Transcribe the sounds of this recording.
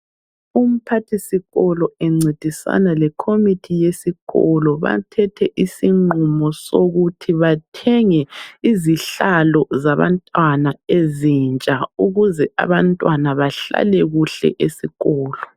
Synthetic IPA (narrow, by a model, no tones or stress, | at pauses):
um̩pʰatʰisiɣɔlɔɛŋ͡ǀʱed̥ʱisa̰nalɛkʰomitʰijesiɣɔlɔβa̰tʰɛtʰɛʔisiŋ͡ǃumɔsoɣutʰiβatʰɛŋɛiziɬalɔzaβa̰ntʼwanaezint͡ʃʼauɣuzɛa̰βantʼwanaβaɬa̰lɛɣuɬɛ̰ʔesiɣɔːlɔ